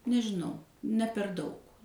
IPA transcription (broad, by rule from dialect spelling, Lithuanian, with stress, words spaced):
nʲɛʒʲɪˈnɐʊ nʲɛ pʲɛr ˈdɐʊk